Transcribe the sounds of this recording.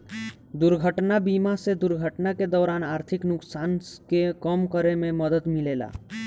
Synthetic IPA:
d̪uɾɡʱəʈnabimased̪ʊɾɡʱəʈnaked̪ɔːɾaːnaːɾt̪ʰiknʊksaːnkekəmkəɾemẽməd̪əd̪mileːla̰ː

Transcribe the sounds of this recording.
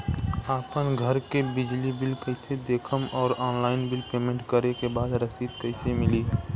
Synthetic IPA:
aːpənɡʱəɾkebɪd͡ʒlibɪlkəɪsed̪eːkʰəmɔːɾɔːnlaːɪnbɪlpeːmẽɳʈkəɾekebaːd̪ɾəsiːt̪kɐɪsemɪliː

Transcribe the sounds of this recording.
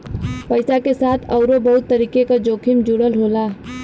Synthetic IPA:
pəɪsakesaːt̪ʰɔʊɾobɐɦʊt̪ːəɾiːkekad͡ʒoːkʰɪmd͡ʒuɽəlɦoːlaː

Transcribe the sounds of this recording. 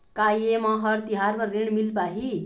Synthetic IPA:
kajemʌɦʌrt̪iɦarmʌreɳmilpaɦi

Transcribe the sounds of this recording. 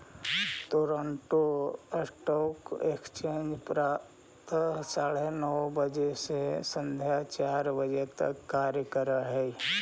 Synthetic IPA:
t̪oːɾəɳʈoəsʈɔkekst͡ʃẽnd͡ʒpɾa | t̪ʰəsaɽenɔbəd͡ʒesesə̃nd̪ʱjat͡ʃaːɾbəd͡ʒet̪ə̰kːaɾjəkəɾəɦɛi

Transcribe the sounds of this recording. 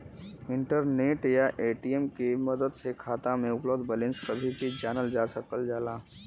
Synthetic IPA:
ɪ̃ɳʈəɾneːʈjaʔeːʈijemkemɐd̪əd̪sekʰaːt̪ãmẽʊpləwd̪bəlẽnskəbʱibid͡ʒaːnəld͡ʒaːsəkəld͡ʒaːlaː

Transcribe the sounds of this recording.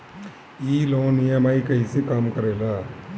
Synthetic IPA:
iːloːnijɐmɐjkɐjsikaːmkɐɾɐla

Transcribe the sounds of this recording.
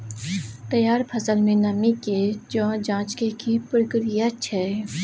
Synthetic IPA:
t̪ɐjaːɾpʰɐsəlmẽnɐmiked͡ʒõd͡ʒãːt͡ʃkekipɾəkɾijat͡ʃʰɛ

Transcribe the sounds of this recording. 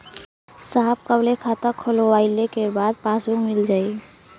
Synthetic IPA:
saːɦəb̚kəblekʰaːt̪əkʰoloʋaːɪlekebaːd̪̚paːsumɪld͡ʒaːi

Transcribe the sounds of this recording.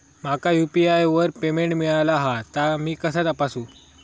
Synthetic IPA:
m̤akajupiajʋəɾpemeɳʈmiɭalaɦat̪amiːkəsat̪apasũː

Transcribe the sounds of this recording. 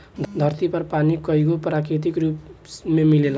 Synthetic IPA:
d̪ʱʌɾt̪ipʌrpanikʌjɡopɾakɾit̪̬ikrupmemilela

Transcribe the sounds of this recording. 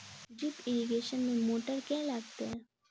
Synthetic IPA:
d͡ʒɪpɪɾiɡeːʃənmẽmoːʈəɾkɛ̃ːlaːɡt̪eɦɛ̃ː

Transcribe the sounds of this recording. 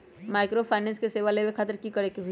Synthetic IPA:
maːɪkɾopʰaɪnɛ̃ːnskeseːʋalemẽkʰaːt̪əɾkikəɽekebʱ

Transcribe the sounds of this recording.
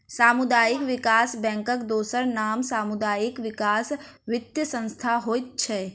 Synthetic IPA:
saːmʊd̪aːjɪkʋɪkaːsbɛ̃ːŋkəkd̪oːsəɾnaːmsaːmʊd̪aːjɪkʋɪkaːs | ʋɪt̪jəsə̃nst̪ʰaɦoːit̪̚t͡ʃʰɛː

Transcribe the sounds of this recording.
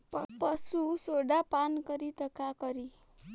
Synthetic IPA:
ppəsusoɽapankəɾit̪əkakəɾi

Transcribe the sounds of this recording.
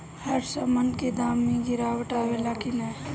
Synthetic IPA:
həɾsəmənked̪aːmːẽɡɪɾaːwəʈaːʋelakinɛː

